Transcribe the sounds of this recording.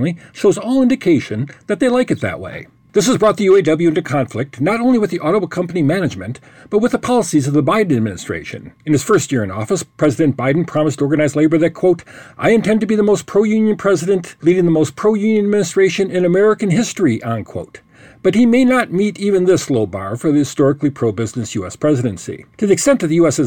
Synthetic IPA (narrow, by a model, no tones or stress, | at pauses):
iʃoʊzɔlˠɪ̃ndɨkʰeɪʃɨ̃nðɨt̪̚ðeɪlaɪkɨt̪̚ðɨ̰ʔwḛɪ | ðɪs̬əzbɹɔt̪̚ðɨjʉeɪdʌbl̩jʉɪ̃ntʉkʰɑ̃ɱflɪk̚tnəɾõʊ̃nliwɨðiʔɔɾobəkʰʌ̃mpənimænɨd͡ʒmɨ̃n | b̥ʌt̚wɨðəpʰɑlˠəsizʌvðəbaɪdⁿn̩ɨd̚mɪ̃nɨstɹ̥ḛɪʃɨ̰̃nɨ̃nɨz̥fɜ˞st̚jɪɹɨ̃nɔ̰fəspʰɹ̥ɛzɨɾɨ̃nb̥aɪdⁿn̩pʰɹ̥ɑməstʰɔɹɡɨnaɪzleɪbə˞ðɨt̚kʰw̥oʊɾʔaɪɨ̃ntʰɛ̃ntɨbiðəmoʊspʰɹ̥oʊjʉ̃njɨ̃npʰɹ̥ɛzɨɾɨ̃nʔliɾɪ̃ŋðəmoʊs̚pʰɹ̥oʊjʉ̃njɨ̃nɨd̚mɪ̃nɨstɹ̥eɪʃɨ̃nɪ̃nɨmɛɹɨkɨ̃nɦɪstɹ̥iʔə̃nkʰw̥o̰ʊt̚ | b̥ʌt̚himeɪnət̚miɾivɨ̃nðɪsloʊbɑ̰ɹfə˞ðɨhɨstɔɹɨklipʰɹ̥oʊbɪznɨsjʉɛspʰɹ̥ɛzɨɾɨ̃nsḭtʰɨðiɨkstɛ̃ntʌvðɨjʉɛsɛ